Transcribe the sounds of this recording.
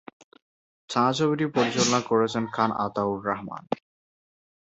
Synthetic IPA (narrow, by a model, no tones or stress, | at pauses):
t͡ɕʰãt͡ɕʰobiʈipoɾit͡ɕolonakoɾet͡ɕʰenkʰana̰t̪auɾːaɦma̰n